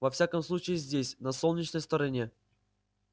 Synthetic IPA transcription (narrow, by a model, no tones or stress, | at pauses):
vɐfsʲakəmslˠut͡ɕɪɪzʲdʲesʲnɐsolˠnʲɪt͡ɕnəjst̪əɾɐnʲe̞